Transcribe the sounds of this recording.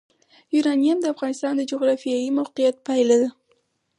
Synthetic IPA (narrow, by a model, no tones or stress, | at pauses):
juɾɑnijamd̪əafʁɑnɪst̪ɑnd̪əd͡ʒoɣɾɑfijɑjimawqijat̪̚pajlad̪ə